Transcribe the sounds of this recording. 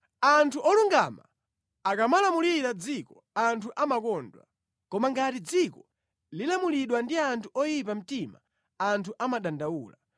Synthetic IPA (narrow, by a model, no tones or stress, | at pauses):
antʰuʔɔluŋɡa̰ma | akamalamuliɾad͡zikɔ | antʰuʔamakɔndwa̰ | kɔmaŋɡatid͡zikɔ | lilamuliɗwandiantʰuɔjip̬am̩tima̰ | antʰuʔamaɗandawuːla